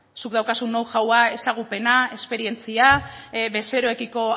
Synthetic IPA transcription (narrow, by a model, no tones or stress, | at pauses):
sukðawkasunːowʝawae̞saɣ̞upe̞nae̞spe̞ɾie̞nt͡siaβe̞se̞ɾo̞e̞kiko̞